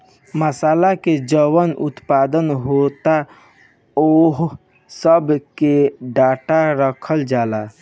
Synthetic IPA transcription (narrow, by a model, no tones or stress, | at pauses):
məsaːlaked͡ʒəwənʊ̰t̪paːd̪ənɦot̪a | oɦ | səbkeɖaːʈaɾəkʰəld͡ʒaːla